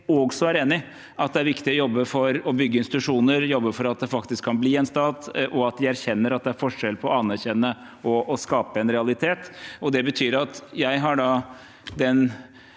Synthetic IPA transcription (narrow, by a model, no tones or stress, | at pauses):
oɡsɔæɾeːnɪ | ʔɑt̪̚d̪ɛæɾʋɪkt̪ɪɔjɔbːəfɔɾɔbʏɡːəɪnst̪ɪt̪ʉʂuːnəɾjɔbːəfɔɾɑt̪̚d̪ɛfɑkt̪ɪskʰːɑnbliːɛnst̪ɑːt̪ʔɔɑt̪̚d̪ɪæɾçɛnːəɾɑt̪̚d̪ɛæɾfɔʂɛlpʰɔɑnæɾçɛnːə | ɔːskɑːpəɛnɾɛɑlɪt̪ʰeːt̪ɔd̪ɛbət̪ʰyːɾɑt̪jæɪɦɑɖɑ | d̪ɛn